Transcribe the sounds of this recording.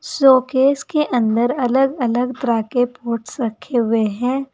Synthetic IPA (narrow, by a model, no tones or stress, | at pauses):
soːkeːskeʔɐ̃nd̪əɾɐləɡɐləɡt̪ɾaːkepoːʈʰsəkʰeɦʊweɦɛ̃ː